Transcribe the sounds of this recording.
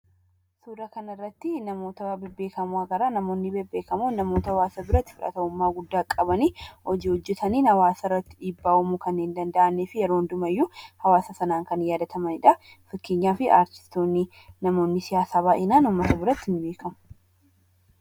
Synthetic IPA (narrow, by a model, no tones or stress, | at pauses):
suːɾɐkɐnɐɪrːɐt̪ːɪnɐmo̞ːt̪ɐwaːbɪbe̞ːkɐmʊɐɡɐɾaːnɐmo̞ːnːɪbɛbe̞ːkɐmuːnɐmo̞ːt̪ɐhwaːsɐbɪɾɐt̪ːɪ̥fʊᶑɐ̰t̪ɐʊmːaːɡʊd̪ːaːkʼːɐbɐniːhɔd͡ʒiːhɔd͡ʒːɛt̪ʰɐniːnhɐwaːsɐɪrːɐt̪ːɪᶑiːbːaːʊmukɐnːeːnd̪ɐnd̪ɐʔɐnːeːfɪjɛɾoːnd̪ʊmɐjːʊhɐwaːsɐsɐnaːŋkɐnjaːd̪ɐt̪ʰɐmɐnɪᶑɐ | fɪkːeːɲːaːfɪʔa̰ːɾt̪ɪ̥st̪o̞ːnːɪ | nɐmo̞ːnːɪsɪjaːsaːβaːʔɪnaːnʊmːɐt̪ɐbɪɾɐt̪ːɪnːɪbeːkʰɐmʊ̥